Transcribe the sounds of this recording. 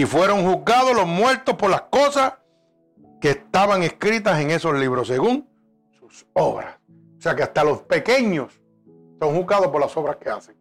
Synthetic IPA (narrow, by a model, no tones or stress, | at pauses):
ifwe̞ɾoŋhuzɡað̞olosmwe̞ɾt̪ohpo̞ɾlaskosas | ke̞ːst̪aβaŋe̞skɾit̪ase̞ŋe̞so̞sliβɾose̞ɣuŋ | suso̞βɾa̰s | ose̞akeast̪alo̞spe̞ke̞ɲos | so̞ŋhuzɡaðohpo̞ɾlaso̞βɾaske̞a̰seŋ